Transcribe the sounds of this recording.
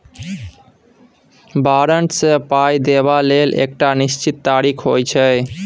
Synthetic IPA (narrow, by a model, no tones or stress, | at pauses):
baɾəɳʈsepajd̪ebalelʔḛk̚ʈaniʃt͡ɕit̪ːaɾikʰɦojt͡ɕʰe